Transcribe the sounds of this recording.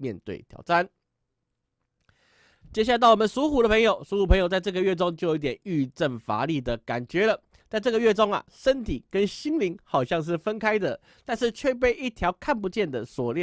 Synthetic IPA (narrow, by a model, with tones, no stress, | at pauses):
mjɛ˥˧nt̪wḛ˥˩ɪt̪ʰjɑ̰˨˩ʊʈ͡ʂa˥˩n | t͡ɕjɛ˥ɕ̬a˥˩˧a˧˥t̪ɑ˥˩ʊwɔ˨˩mə˨nsu˧˥xu˧˨d̪ə˧pʰə˧˥˦ŋjo˨ʊsu˧˥xu˧˨˩pʰə˧˥ŋjo˨˩t͡sa˥˧ɪʈ͡ʂɤ˥˩ɡə˨ɥɛ˥˧˩ʈ͡ʂo˥ŋt͡ɕjo˥˩jo˧˦i˥˩t̪jɛ˨˩ny˥˧ʈ͡ʂə˥˩nfa̰˧˥li˨˩d̪ə˩ka̰˨˩nt͡ɕɥɛ˧˥lə˨ | t͡sa˥˧ɪʈ͡ʂɤ˥˩ɡə˩ɥɛ˥˩ʈ͡ʂo˥ŋɐ̰˨˩ʂə˦nt̪ʰi˨˩kə˦nɕi˥ŋli˧˥ŋxɑ˨˩ʊɕjɑ˥˧ŋʂ̬ɻ̩˥˩fə˦nkʰa˥ɪd̪ə˨ | t̪a˥˧nʂɻ̩˥˧t͡ɕʰɥɛ˥˧p̬e˥˧ɪʔi˥˩t̪ʰjɑ˧˥ʊkʰa˥˩np̬u˧t͡ɕjɛ˥˩nd̪ə˨swɔ˨˩ljɛ˥˨